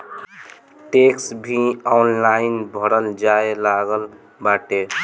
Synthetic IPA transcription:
ʈeksbʱiɔnlainbʱəɾəld͡ʒaelaɡəl | baʈe

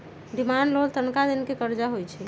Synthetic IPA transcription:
d̪imanlolt̪ənkad̪inkekəɾd͡ʒaɦojt͡ʃʰɛ

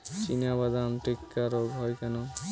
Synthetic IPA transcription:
t͡ɕinabad̪amʈikːaɾoɡɦɔjkɛno

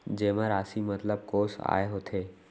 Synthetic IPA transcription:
d͡ʒeːmãɾaːsimət̪ləb̚koːsa̰ːeɦot̪ʰeː

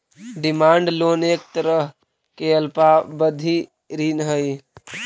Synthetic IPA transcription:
ɖɪmaːɳɖloːneːk̚t̪əɾəɦ | keəlpabəd̪ʱi | ɾiːnɦəi

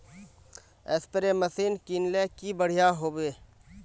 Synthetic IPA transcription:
ḛːspəɾeməsiːnkinlekibəɽ̤ijaɦoːbeː

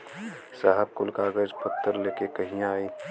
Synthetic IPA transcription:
saːɦəb̚kʊlkaːɡəd͡ʒpʰək̚t̪ːəɾleːkekəɦĩaːiː

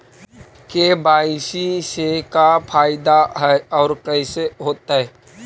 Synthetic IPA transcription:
kebaːɪsisekapʰaːɪd̪aɦɛɔːɾkəɪseɦoːt̪aɦɛː

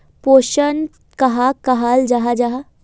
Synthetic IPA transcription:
poːʃən | kɐɦakɐɦaːld͡ʒaɦad͡ʒaɦa

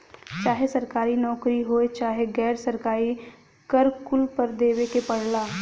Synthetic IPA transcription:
t͡ʃaːɦesɐɾkaːɾinɔːkɾiɦoːet͡ʃaːɦeɡɛːɾsɐɾkaːɾi | kəɾkʊlpəɾd̪eːwekepɐɽ̤laː

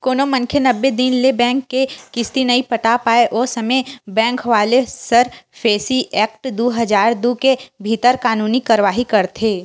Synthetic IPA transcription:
koːnomɐ̃ŋkʰenɐbːed̪inlebɛ̃ːŋkːeːɪst̪inɐipɐʈaːpaːeʔoːsɐmebɛ̃ːŋkʋaːlesɐɾpʰeːsiʔɛːk̚ʈd̪uːɦɐd͡ʒaːɾd̪ukebʱit̪əɾkaːnuːnikaːɾʋaːɦikɐɾt̪ʰeː

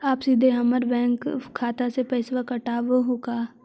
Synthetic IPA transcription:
aːpsid̪ʱeɦɐməɾbɛ̃ːŋkʰːaːt̪asepɛɪsʋakɐʈaːʋɦoːɡaː

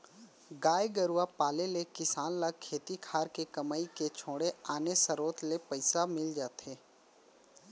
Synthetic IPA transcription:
ɡaːjɡəɾuapaːlelekɪsaːnlakʰːeːt̪ikʰaːɾkekɐmaːiket͡ʃʰoːɽeaːnesəɾoːt̪lepəɪsamɪld͡ʒaːt̪ɦeː

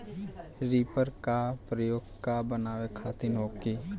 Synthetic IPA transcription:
ɾiːpəɾkapɾəjoːɡkabənaːʋekʰaːt̪inoːki

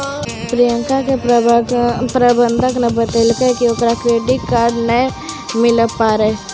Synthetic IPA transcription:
pɾijə̃ŋkake | pɾabə̃nd̪ʱəknɐbət̪elkekiokɾakɾeːɖikkaːɾɖnə̃ | mɪləpːaːɾe

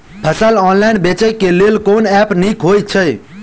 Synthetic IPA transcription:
pʰəsəlɔnlaɪnbet͡ʃəjkelelkonɛpnikɦoj̚t͡ʃʰəj

